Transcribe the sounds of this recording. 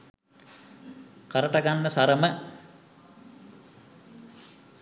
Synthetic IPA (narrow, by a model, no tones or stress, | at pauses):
kəɾəʈəɡanːəsaɾəmə